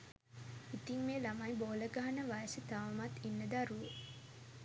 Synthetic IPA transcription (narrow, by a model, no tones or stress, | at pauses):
it̪iŋmeːlamajboːləɡaɦanəʋajəsət̪aʋɐmat̪inːəd̪aɾuʋə